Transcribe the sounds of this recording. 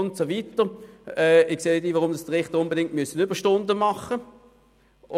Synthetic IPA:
ʊntsovitəʁɛːɪkseːdiːvaʁʊmd̥ɑsd̥əʁɪχt̪əʁʊnbedɪŋtmyəsənʏb̥əʃtʊndəmɑχə

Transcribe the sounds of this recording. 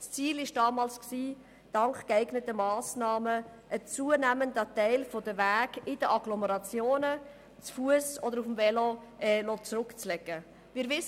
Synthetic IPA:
st͡siːlɪʃd̥ɑːmɑːlsksiː | d̥ɑŋkkæɪɡnətəmɑːsnɑːməʔət͡suənæməndətɛɪlfodəvæːɡɪdəʔɑɡlɔməɾɑt͡sjoːnə | t͡sfuəsɔdəɾufmvɛloɛlot͡sɾʊkt͡slɛɡ̥ə | mɪːɾvɪs

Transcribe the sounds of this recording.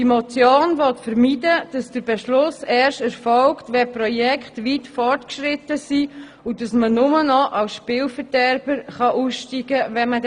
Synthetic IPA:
d̥imɔt͡sjoːnʋɔtfəɾmiːdəd̥ɑsd̥əɾb̥ɛʃlʊsɛːɾʃtɛɾfɔlktʋɛprɔjɛkχtʋiːtfɔrtkʃɾɪtəsi | udɑsmənʊmənɔʔɑwsʃpɪːlfəɾd̥ɛɾb̥əɾχɑʔuːsʃtiːɡəʋɛməd

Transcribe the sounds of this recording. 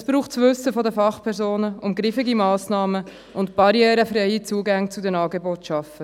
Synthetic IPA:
ɛsb̥ɾuːχtt͡svʋʏsəfɔdəfɑχpʰɛɾzoːnəʊmɡɾɪfɪɡimɑːsnɑːmə | ʔʊntb̥ɑɾjɛːɾəfɾɛɪit͡suːɡaŋt͡sudɛnɑːɡeboːtʃɑfə

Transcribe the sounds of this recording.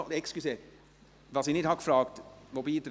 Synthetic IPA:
d̪ɛkskʉseː | ʋɑːsiːnɪt̪hɑkfɾɑːkt̪ʋobiːd̪ɾ

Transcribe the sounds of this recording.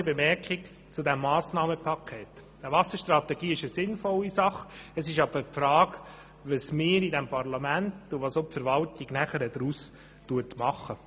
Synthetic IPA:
əbemɛɾkɪk | t͡sudɛmːɑːsnɑːməpʰɑkʰeːt | d̥əʋɑsəʃtɾɑt̪ɛɡiːɪʃəsɪnfɔlːisɑχəsɪʃɑb̥əpfɾɑːɡ | ʋəsmɪːɾidɛmpɑɾlɑmæntʊʋɑːsopfəɾʋɑltɪɡnæχəɾədɾuːs | tuətmɑχə

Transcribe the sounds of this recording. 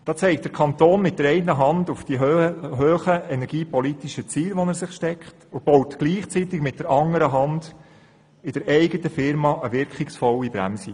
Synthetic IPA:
d̥ɑːt͡sɛɪkt̚d̥əɾkʰɑnt̪oːnmɪt̚d̥əɾɛɪəɦɑndʊfd̥iɦøːχəɛnɛɾɡ̥iːpɔlitiʃət͡siːlʋɔnəɾsɪχʃtɛkχtʊb̥ɔwtɡ̥liːχt͡sitɪɡmɪt̚d̥əɾɑŋəɾəɦɑnd̥ | ɪd̥əɾɛɪɡətəfɪɾmɑːʔəʋɪɾkχɪksfɔwibɾæ̰msi

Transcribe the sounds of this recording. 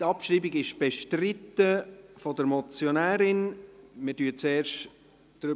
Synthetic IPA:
tɑpʃriːbiɡɪʃb̥ɛʃtrɪtːəfɔdəɾmɔt͡sjonæːɾɪnmədyət͡sɛːɾʃt | d̥ɾʏ

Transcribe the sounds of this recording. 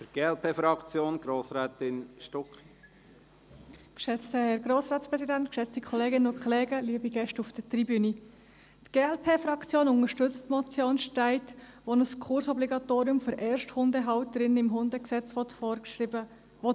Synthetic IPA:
fəɾɡ̥eːɛlpʰeːfɾɑkt͡sjoːnɡ̥ɾoːsɾɛːt̪ɪnʃtɔkχi | kʃɛt͡stəhɛɾɡɾoːsrɑːtspɾɛsidænt̪kʃɛt͡stikʰɔleːɡɪnənʊkχleːɡəliəbiɡ̥ɛʃtufd̥ətribyni | tɡ̥eːɛlpʰeːfɾɑkt͡sjoːnʊŋəʃtʏt͡stmɔt͡sjoːnʃtæɪtʋɔnəskʰʊɾsɔbliɡɑt̪oːɾiʊmfʏɾʔɛːrʃthʊndəɦɑwt̚d̥ɾɪnɪmɦʊndəksɛt͡sʋɔt̪fɔə | ɔt

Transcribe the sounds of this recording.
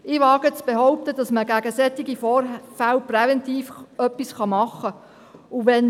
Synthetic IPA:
ɪʋɑːɡət͡sb̥eɦɔʊp̚t̪ədɑsməɡæɡəsɛt̪ːiɡifɔːɾfælprɛvɛnt̪iːfœpːisχɑmɑχːə | uʋɛn

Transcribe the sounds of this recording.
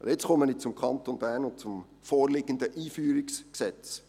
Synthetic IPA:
ɪt͡sχɔmənɪt͡sʊmkʰɑnt̪onbæːɾnʊnt̚t͡sʊm | fɔːɾlɪɡ̥ənd̪əʔiːfyːɾiksksɛt͡s

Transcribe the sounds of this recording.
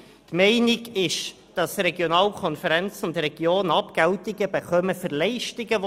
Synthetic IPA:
t̪mɛɪnɪɡɪʃ | d̥ɑsɾɛɡjonɑːlkʰɔnfəɾɛnt͡sʊntrɛɡjoːnɑpɡ̥æltɪɡəbəχœməfəɾlɛɪʃtɪɡə

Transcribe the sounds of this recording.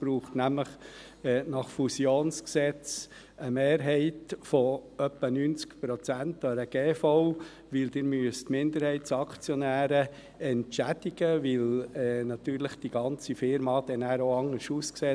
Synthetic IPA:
b̥ɾuːχtnæmləχ | ɛːnɑχfusjoːnsksɛt͡s | əmeːɾɦɛɪtfɔœpːənynt͡skpɾɔt͡sænt̪ɑɾəɡ̥eːfɔʊ | ʋɪld̥̪ɪɾmyəstmɪnd̪əɾhɛɪtsɑkt͡sjɔnæːɾə | ɛntt͡ʃæd̥ɪɡ̥əʋɪlɛnɑt̪yːɾləχd̥iɡ̥ɑnt͡sifɪɾmɑd̥ɛnæːɾoɑŋəɾʃuskseː

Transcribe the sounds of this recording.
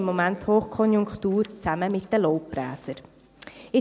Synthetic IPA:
mːomænthoːχkʰɔnjuŋkχtuːɾt͡sæməmɪt̚d̥əlɔʊp̚b̥ɾæ̰ːsəɾ | ɪ

